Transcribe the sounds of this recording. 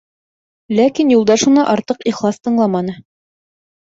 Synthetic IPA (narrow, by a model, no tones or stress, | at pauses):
lækinjulˠd̪ɑʃunɑʔɑɾt̪ɤqiχlˠɑst̪ɤ̆ɴlˠɑmɑnɤ